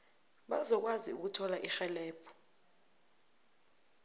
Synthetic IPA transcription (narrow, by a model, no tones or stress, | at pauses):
ɓazɔk̬waziṵk̬utʰɔlaʔixɛlɛːpʰɔ̥